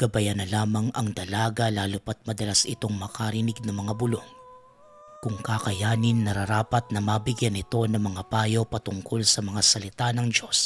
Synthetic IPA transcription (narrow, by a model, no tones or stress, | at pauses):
ɡ̥ɐbɐjanɐlaːmɐŋɐŋd̪ɐlaːɡɐlaːlupɐt̪̚mɐd̪ɐlasɪt̪o̞ŋmɐkaɾɪnɪɡ̚nɐmɐŋabʊlo̞ŋ | kʊŋkakɐjaːnɪnːɐɾɐɾaːpɐt̪̚nɐmabɪɡjanɪt̪o̞nɐŋmɐŋapaːjo̞pɐt̪ʊŋkʰo̞lsɐmɐŋasɐlɪt̪anɐŋd͡ʒo̞s